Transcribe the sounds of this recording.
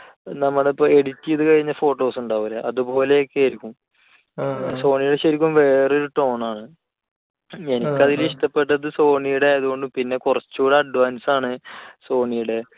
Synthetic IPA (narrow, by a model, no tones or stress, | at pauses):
nɐmːɐɽeipːoe̞ɽitːijɐðɨkɐɻiɲːɐfo̞ːʈːo̞ːsuɳɖaːʋɐlɐʔɐðupo̞ːle̞okːeɐɾikʲːum | so̞ːɳijuɽeɕɐɾik̬ʲːumʋe̞ːroɾuʈo̞ːɳaːɳɨ | enikʲːɐðiliʂʈɐpːe̞ʈːɐðɨso̞ːɳijuɽejɐðuɣo̞ɳɖɨpinːe̞kurɐt͡ɕːuɽɐɐɖʋaːnsaːɳɨso̞ːɳijuɽe̞